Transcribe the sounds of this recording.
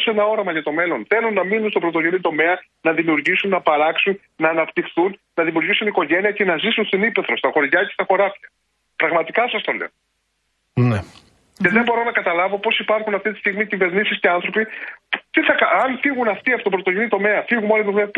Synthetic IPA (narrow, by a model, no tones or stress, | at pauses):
se̞nɐo̞ɾɐmɐʝɐt̪o̞me̞lo̞nθe̞lunːɐminunst̪o̞bɾo̞t̪o̞ʝenit̪o̞me̞ɐ | nɐðimiuɾʝisunːɐpɐɾɐksun | nɐːnɐpt̪ixθun | nɐðimiuɾʝisuniko̞ʝe̞niɐce̞nɐzisunst̪inipe̞θɾo̞st̪ɐxo̞ɾʝɐce̞st̪ɐxo̞ɾɐfçɐ | pɾɐɣmɐt̪ikɐsɐst̪o̞lḛo | ne | ceðe̞mbo̞ɾo̞nɐkɐt̪ɐlɐvo̞po̞sipɐɾxunɐft̪it̪i̥st̪iɣmicive̞ɾnisisceɐnθɾo̞pi̥t̪iθɐkɐɐnfiɣunɐft̪iɐpot̪obɾot̪o̞ʝenit̪o̞me̞ɐfiɣumolit̪omep